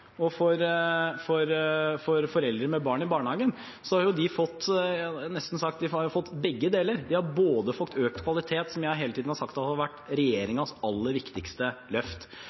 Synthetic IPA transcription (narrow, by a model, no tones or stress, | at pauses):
ɔfɔɾfɔɾfɔɾfɔɾɛld̪ɾəɾmɛbɑːɳɪbɑːɳhɑːɡən | sɔhɑɾjʊd̪ɪfɔt̪ːnɛst̪n̩sɑkt̪̚d̪ɪɑɾjʊfɔt̪ːbɛɡːəd̪eːləɾd̪ɪhɑɾboːd̪əfɔkt̪øːk̚t̪kʰʋɑlɪt̪ʰeːt̪sɔmjæɪɦeːlət̪iːd̪n̩hɑɾʂɑkt̪ɑɑʋæʈːɾɛjeːɾɪŋɑsɑlːəɾʋɪkt̪ɪkst̪əlœft̪